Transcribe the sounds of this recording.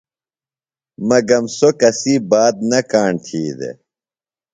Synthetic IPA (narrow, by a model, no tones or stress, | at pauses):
mɐɡɐmsokɐsiːbaːd̪̚nɐkaːɳt̪ʰiːd̪ḛ